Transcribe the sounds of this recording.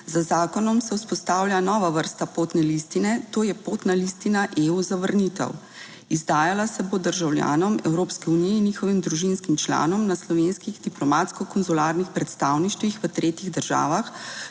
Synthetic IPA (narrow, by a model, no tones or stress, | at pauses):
zazaːkɔnɔmsɛwspɔst̪aːwlʲjanɔːʋaʋəɾst̪apoːt̪nɛlist̪inɛt̪oːjɛpoːt̪nalist̪inaʔeuzaʋəɾnit̪ɛ̰w | izd̪aːjalasɛbod̪əɾʒawlʲja̰ːnɔmɛwɾoːpskɛunijɛinːixɔʋimd̪ɾuʒinskimt͡ʃla̰ːnɔmnaslɔʋeːnskiɣd̪iplɔmat̪skɔkɔnzulaːɾnixpɾɛt̪st̪awniʃt̪ʋixʋət̪ɾeːt̪iɣd̪əɾʒa̰ːʋax